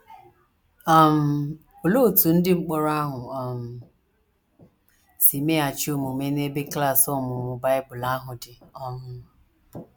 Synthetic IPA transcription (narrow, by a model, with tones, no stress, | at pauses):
a˨m̩˨ | o˨lo˦˨tu˨n̩˦dɪ˦ŋ͡m̩˦k͡pɔ˦ɾa˦ɦʊ˨a˨m̩˨ | si˨me˦a˨t͡ʃo˦mo˨me˦ne˦be˦kla˦˨sɔ˦˨mʊ˨mʊ˨ba˦ɪ˦bʊ˨la˦ɦʊ˨dɪ˨ɔ˦ŋʊ˦˨